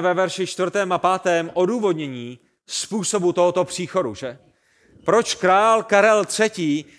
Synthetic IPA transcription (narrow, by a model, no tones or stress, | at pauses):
vɛvɛɾʃɪt͡ʃt̪vrt̪ɛːmapaːt̪ɛːmʔo̞duːvo̞dɲɛɲiː | spuːso̞but̪oɦot̪o̞pr̥iːxo̞duʒɛ | pɾo̞t͡ʃkɾaːlkaɾɛlt̪r̥ɛciː